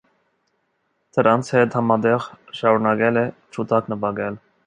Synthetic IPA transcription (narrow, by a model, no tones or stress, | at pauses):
d̪̥əɾɑnt͡sʰhɛt̪hɑmɑd̪ɛʁʃɑɾunɑɡɛlɛt͡ʃʰut̪ɑknəbɑɡɛl